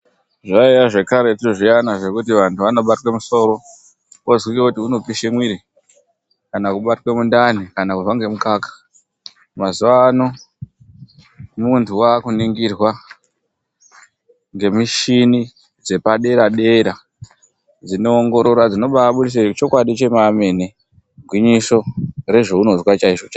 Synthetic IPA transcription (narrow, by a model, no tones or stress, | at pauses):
ʐaijaʐe̞kaɾe̞tioʐianaʐe̞kutiʋantuʋano̞ɓatwe̞muso̞ːɾo̞ | ozwikokutiuno̞piʃemwiɾi | kanakuɓatwe̞mundanikanakurwaŋɡe̞mukaːkḁ | mazuʋaːno | muntʰuwakuniŋɡirwa | ŋɡe̞miʃini | d͡ze̞paɗe̞ɾaɗe̞ɾa | d͡zino̞ːŋɡo̞ɾo̞ɾwad͡zino̞ɓaːɓuɾis̬et͡ʃo̞kwaɗit͡ʃe̞maːme̞ni | ɡʱwiɲiso̞re̞ʐo̞uno̞zwat͡ʃaiʐot͡ʃa